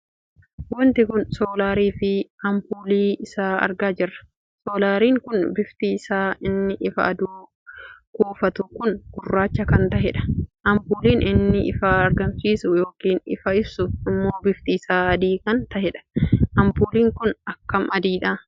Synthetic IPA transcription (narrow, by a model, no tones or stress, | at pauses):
wɔnt̪ɪkʊnsoːlaːɾiːfɪɐmpuːliːɪsaːɐ̰ɾɡaːd͡ʒɪrːɐ̥ | soːlaːɾiːŋkʊnbɪft̪iːsaːɪnːɪʔɪfɐ̰ʔɐd̪uː | koːfɐt̪ʊkʊnɡ̥ʊrːaːt͡ʃːɐkɐnt̪ɐɦɛᶑɐ̥ʔɐmpuːliːnʔɪnːɪʔɪ̰faːɐɾɡɐmsiːsʊjo̞ːkiːnɪ̰fɐɪbsʊɪmːo̞ːbɪft̪iːsaːɐd̪iːkɐnt̪ɐhɛᶑɐ̥ʔɐmpuːliːŋkʊnɐkːɐmɐd̪iːᶑɐː